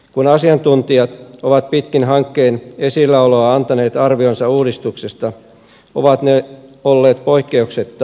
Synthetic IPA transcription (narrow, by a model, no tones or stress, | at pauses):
kunɑsiɑnt̪unt̪iɑt̪oʋɑt̪pit̪kinɦɑŋkːe̞ːne̞silɑuloɑɑnt̪ɑneːt̪ɑrʋionsɑuːdist̪uksest̪ɑ | oʋɑt̪neolːeːt̪poikːeukset̪ː